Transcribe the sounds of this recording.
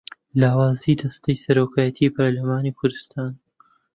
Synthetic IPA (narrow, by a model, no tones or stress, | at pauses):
laːwaːzid̪ɐst̪ɐjsɐɾoːkʰaːjɐt̪ʰiːpʰɐɾlɐmaːniːkʰʊɾd̪ɨst̪aːn